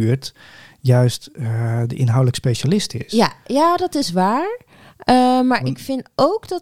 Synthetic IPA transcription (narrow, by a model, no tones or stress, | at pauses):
ɹt | jœɥstdəʔɪnɦawdələkspejʃalɪstɪ̰sjajaːdɔtɪsʋaːɹ | əmaːɹɪkfɪnowkdɔ